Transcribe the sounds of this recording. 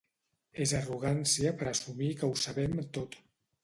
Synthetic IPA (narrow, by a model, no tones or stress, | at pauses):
ezəruɣansiəpəɾəsumikəusəβɛmt̪ot̪